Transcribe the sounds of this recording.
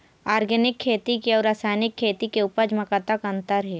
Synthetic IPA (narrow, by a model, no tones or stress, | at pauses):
aːɾɡɛnɪkʰːeːt̪ikeɔːɾaːsaːnɪkʰːeːt̪ikeupəd͡ʒməkat̪akə̃nt̪əɾɦɛː